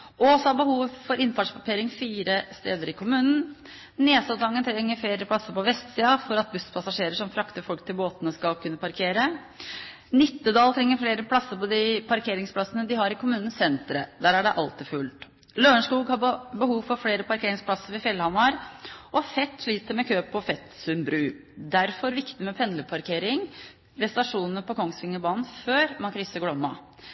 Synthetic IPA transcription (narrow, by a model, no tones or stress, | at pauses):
ɔsɔɑbəhuːʋfɔɾɪnt̪ɑːʂpʰɑkʰeːɾɪŋfiːɾəst̪eːd̪əɾɪkʰʊmʉːnn̩ | neːsɑd̪ɑŋːənt̪ʰɾɛŋːəɾfleːɾəpʰlɑsːəɾpʰɔʋɛst̪siːɑfɔɾɑt̪̚bʉspʰɑsɑʂeːɾəʂɔmfɾɑkt̪əɾfɔlk̚t̪ʰɪlboːt̪ənəskɑlkʰʉnːəpʰɑɾkʰeːɾə | nɪt̪ːəd̪ɑːlt̪ʰɾɛŋːəɾfleːɾəpʰlɑsːəɾpʰɔd̪ɪpʰɑɾkʰeːɾɪŋspʰlɑsənəd̪ɪɦɑɾɪkʰʊmʉːnn̩sɛnt̪ɾə̰d̪æːɾæɖɛʔɑlt̪ɪfʉlt̪ | løːɳʂkuːɡhɑbəhuːʋfɔfleːɾəpɑɾkʰeːɾɪŋspʰlɑsəɾʋɪfjɛlhɑmɑɾɔfɛt̪ːʂɭiːt̪əɾmɛkʰøːpʰːɔfɛt̪sʉmbɾʉː | d̪æɾfɔɾʋɪkt̪ɪmɛpʰɛnləpʰɑɾkʰeːɾɪŋ | ɾɛst̪ɑʂuːnənəpɔkʰɔŋsʋɪŋːəbɑːnn̩føːɾmɑnkʰɾʏsːəɡlɔmːɑ